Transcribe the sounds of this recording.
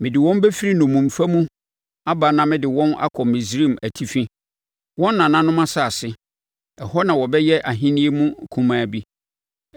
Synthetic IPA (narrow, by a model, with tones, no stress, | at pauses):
mɪ̃˨dɪ˨wɔ̃˦m˦bɛ˦fi˦ɾi˦nʊ̃˨mːũ˨m̩˨fa˦mũ˦ | a˦ba˨˦nã˨mɪ̃˦dɪ˨wɔ̃˦na̰˦kʰɔ˨mɪ̃˨s̬ɾi˦˨mæ˨tʰi˦fĩ˦ | wɔ̃˦nː˦ã˨nã˦nʊ̃˦mã˦sa˦˨a˨sɪ˦ | ɛ˨hɔ˦nã˨wɔ˨bɛ˦jɛ˦ʔa˨ɦĩ˦nĩ˦e˦mũ˦˨kʰũ˦mãː˦bi˦